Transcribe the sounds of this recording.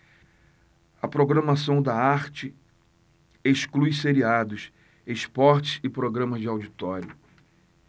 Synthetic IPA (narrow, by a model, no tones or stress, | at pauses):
ɐpɾoɡɾɐ̃masɐ̃w̃d̪ɐaɾt͡ʃɪ | eʃklujseɾiad̪ʊs | espɔɾt͡ʃɪ̥sɪpɾoɡɾɐ̃mɐzd͡ʒɪawd͡ʒit̪ɔɾjʊ